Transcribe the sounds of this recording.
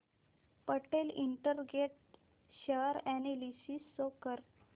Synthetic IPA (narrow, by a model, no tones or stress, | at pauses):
pəʈeliɳʈəɾɡeʈ̚ | ɕəɾænelisisːokəɾ